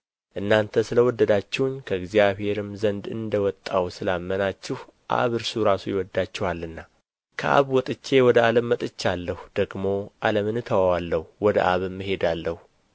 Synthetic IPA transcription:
ʔɨnːant̪ʰəsɨləwɔd̪ːəd̪at͡ʃːɛwʊnkʰəɨɡzijaβhe̞ɾɨmzənd̪ɨ̰nd̪əwɔt̪ʼːawsɨlamːənat͡ʃːɪhʔa̰βɨɾsuɾasujɪwɔd̪ːat͡ʃːɛhalːɨnːa | kʰə̰ʔa̰βwɔt̪ʼɨt͡ʃːe̞wɔd̪əaləmːət̪ʼɨt͡ʃːalːəhd̪̥əɡmo̞ʔaləmɨnɨt̪ʰəwawalːəhuwɔd̪ə̰ʔaβɨmːɨɦe̞d̪alːəhu

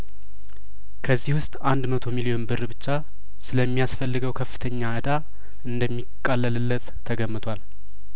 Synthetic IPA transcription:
kʰəzːihwʊst̪ʼand̪mət̪ʰo̞milijo̞nbɨrːɨbɨt͡ʃːa | sɨləmːijasfəlːɨɡəwkʰəfːɨ̥t̪ʰəɲːaɨd̪a | ɨnd̪əmːikʼːalːəlɨlːət̪ʰːəɡəmːɨt̪ʰʷal

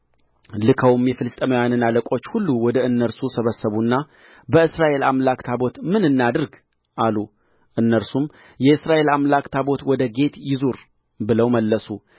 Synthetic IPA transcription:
lɨkʰəwumjɛfɨlɨst̪ʼəməwjanɨnaləkʼo̞t͡ʃːhulːuwɔd̪əɨnːəɾsusəβəsːəβunːa | bəɨsɾaʔe̞lamlakt̪ʰabo̞t̪mɨnɨnːad̪ɨɾɡ | ʔalu | ʔɨnːəɾsum | jɛɨsɾaʔe̞lamlakt̪ʰabo̞t̪wɔd̪əɡe̞t̪jɪzuɾ | bɨləwməlːəsu

